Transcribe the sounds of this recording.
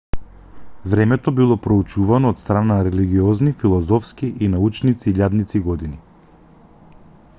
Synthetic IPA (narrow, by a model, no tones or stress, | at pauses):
vɾɛmɛt̪ɔbilˠɔpɾout͡ʃuvanɔːt̪st̪ɾananaɾɛliɡiɔznifilˠɔzɔfskiʔinaut͡ʃnit̪siːʎad̪nit̪siɡɔd̪ini